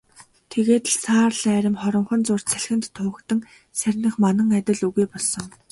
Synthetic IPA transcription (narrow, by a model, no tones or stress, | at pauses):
t̪ʰeɣeːt̪ɮsʰaːrɮæːɾʲɪ̆mχɔɾɞ̆mχɞ̆nt͡sʊr̥t͡ɕt͡sʰæɮxɘ̆nt̪ʰːʊːkt̪ə̆ŋ | særʲnɘ̆χmanə̆ŋat̪ʲɪ̆ɮuɣujpɔɮsɞ̆ŋ